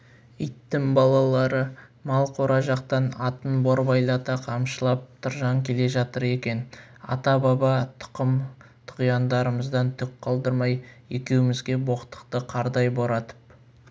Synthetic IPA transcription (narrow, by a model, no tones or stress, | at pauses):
əjt̪ːɪŋbɑlˠɑlˠɑɾəmɑlˠqʰoɾɑʒɑqt̪ɑnɑt̪ənboɾbɑjlˠɑt̪ɑqʰɑmʃəlˠɑp̚t̪ʰʊɾʒɑŋkʲʰe̞le̞ʒɑt̪əɾe̞kʲe̞n | ɑ̰t̪ɑbɑbɑt̪ʰʊ̥qəmt̪ʰʊ̥qijɑnd̪ɑɾəməzd̪ɑnt̪ʰʏk̚qʰɑlˠd̪əɾmɑj | e̞kʲe̞wɪmɪzɡʲe̞bo̞qə̥t̪ːə̥qt̪əqʰɑɾd̪ɑjboɾɑt̪ə̥p̚